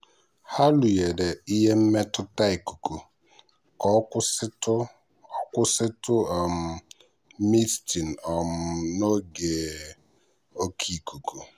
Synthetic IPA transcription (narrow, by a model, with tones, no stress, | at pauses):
ha˦lu˨je˨de˨i˦ɦe˦m̩˦me˦tʊ˦ta˦i˨ku̥˨ku˨ | ɔ˦sɪ˦tʊ˦ | ɔ˦kʷʊ˦sɪ˦tʊ˦˨m̩˨ | mi˦sti˨n̩˨ɔ˨m̩˨no˦ɡe˨ | o˦kʰi˦˨ku˨ku˨